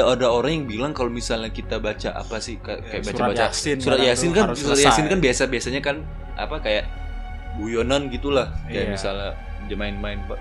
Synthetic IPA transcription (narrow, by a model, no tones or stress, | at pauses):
aadaoɾaŋjaŋbilaŋkalomisalɲakit̪abat͡ʃaʔa̰pasɪhkakajaʔbaabat͡ʃasuɾat̪̚jasɪnkasuat̪̚jasɪnkanbiasabiasaɲakan | ʔa̰pakajaʔ | bujonanɡit̪ulahkajaʔmisala | dəmaɪnmaɪnpa